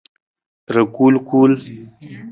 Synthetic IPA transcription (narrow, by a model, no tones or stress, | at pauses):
ɾəkulkul